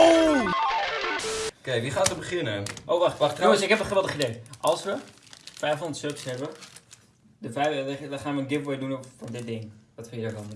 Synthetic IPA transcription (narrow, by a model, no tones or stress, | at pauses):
kejʋiχaːtəbəχɪnəʔowʋɑχttjoəsɪkɦɛpəχəʋɛlˠtəχidejʔɑlˠsʋə | fɛjfɦʊndətsøksɦɛbə | dəfɛjɛdχaːnʋəənɡɪpʋɪːdunfɑndɪt̚dɪŋʋɑtfəjədaːɹdɑn